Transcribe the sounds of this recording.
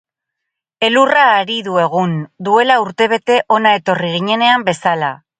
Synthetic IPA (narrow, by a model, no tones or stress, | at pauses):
e̞luraːɾiðue̞ɣ̞und̪ue̞lauɾt̪e̞β̞e̞t̪e̞ʔo̞nae̞t̪o̞riɣ̞iɲe̞ne̞ambe̞sala